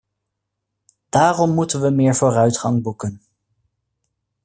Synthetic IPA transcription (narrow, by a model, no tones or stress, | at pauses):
d̥aːrɔmːutənʋəmɪːɹvoːrœɥtχɑŋbukən